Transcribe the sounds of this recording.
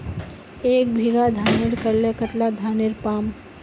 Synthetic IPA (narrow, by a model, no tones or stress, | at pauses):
ek̚bʱiɡad̪ʱaniɾkəɾlekət̪lad̪ʱaniɾpam